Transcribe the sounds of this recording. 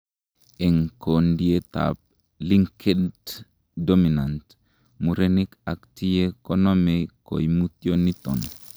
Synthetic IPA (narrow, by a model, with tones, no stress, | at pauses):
e˨ŋko˨ndie˦t̪a̰˨p̚ | li˦ŋkʰe˦dd | domi˨na˨nt | mu˨ɾeni˦ka˨k̚ti˦jekonɔmeko̰˨jmu˦t̪jo˦ni˦t̪ɔ̰˨n